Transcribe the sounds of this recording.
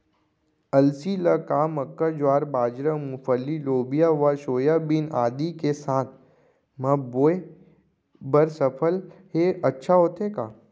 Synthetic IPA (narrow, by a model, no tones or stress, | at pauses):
ɐlsiləkaːməkːad͡ʒaːɾbaːd͡ʒɾəmʊfəlːiloːbijaʋaʃoːjabinaːd̪ikesaːt̪̚ʰ | mɐboːe | bəɾsəpʰəlɦeɐtːʃʰaɦoːt̪ekaː